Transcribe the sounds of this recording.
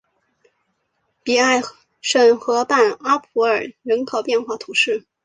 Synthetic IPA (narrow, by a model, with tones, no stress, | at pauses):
pi˨˩a˥˩ɪ | ʂə˥˩nxɤ˧˥pa˥˩na˥pʰu˧˥ə˞˨˩ɻə˧˥nkʰɑ˨˩ʊpjɛ˥˧nxwa˥˩t̪ʰu˧˥ʂɻ̩˥˩